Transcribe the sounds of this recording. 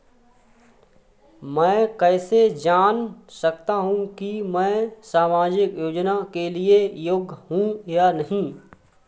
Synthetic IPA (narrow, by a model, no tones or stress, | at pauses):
mɛ̃ːkɛːsed͡ʒaːnsɐkt̪aɦũkimɛ̃ːsaːmaːd͡ʒɪkjoːd͡ʒnakeliejoɡɦũjanɐɦĩ